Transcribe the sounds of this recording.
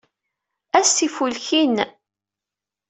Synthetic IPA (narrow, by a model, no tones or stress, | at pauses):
æsifulçin